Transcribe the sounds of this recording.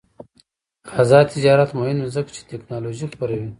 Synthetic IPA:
xazɑːt̪ʰɪd͡ʒɑːɾat̪mohinozəkt͡ʃʰe̥t̪eknɑloʒixpoɾawi

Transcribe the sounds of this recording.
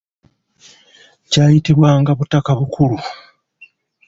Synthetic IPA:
caːjitiβwaːŋɡaβutakaβukulu

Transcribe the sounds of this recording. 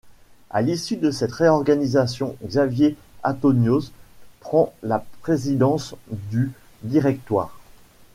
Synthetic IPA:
a̰lisyd̪əsɛt̪ʁeɔʁɡanizasjɔ̃ɡzavje | ã̰t̪ɔnjozpχɑ̃lapχezid̪ɑ̃sd̪y | d̪iʁɛk̚t̪wa̰ːʁ

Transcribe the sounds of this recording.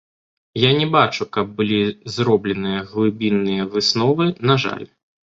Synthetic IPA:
janʲɛbat͡ʂukɐb̚ːɨlʲizɾɔblʲɛnɨjɐɣlˠɨbʲinːɨjɐvɨsnɔvɨnaʐa̰lʲ

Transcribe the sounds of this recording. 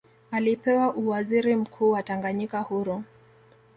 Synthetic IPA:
alipɛwaʔuwaziɾim̩kʰuːwataŋɡaɲikahuɾu

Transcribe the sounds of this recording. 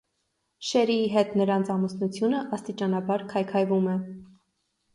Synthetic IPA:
ʃɛɾiɦɛt̪nəɾɑnt͡sʰɑmusnut͡sʰjunəʔɑst̪it͡ʃɑnɑbɑɾkʰɑjkʰɑjvumɛ

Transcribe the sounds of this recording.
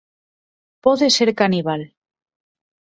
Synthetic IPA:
poðeseɾkaniβal

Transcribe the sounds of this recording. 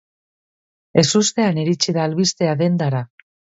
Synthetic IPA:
e̞sust̪e̞aniɾit͡ʃiðaːlβist̪e̞aðe̞nd̪aɾa

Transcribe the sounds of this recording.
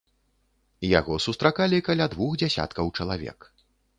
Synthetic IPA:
ja̰ɣɔsust̪ɾakalʲikalʲad̪vuxd͡zʲasʲa̰t̪kɐwt͡ʂɐlˠavʲɛ̰k

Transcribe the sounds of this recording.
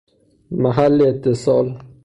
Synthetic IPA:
maɦalːiɪt̪ʰːɪsɒl

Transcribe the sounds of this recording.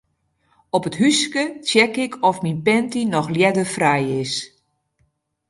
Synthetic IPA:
ɔpətɦyskət͡sjɛkɪkʰɔfminpɛntinɔxljɛdəfrɛjɪs

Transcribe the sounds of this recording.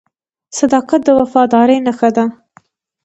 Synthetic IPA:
sɐd̪ɑːqɐt̪̚d̪əwɐfɑːd̪ɑːɾejnɐxɐd̪a

